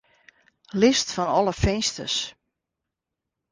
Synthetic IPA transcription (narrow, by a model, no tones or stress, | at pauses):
lɪstfɔnɔləfɪnstəs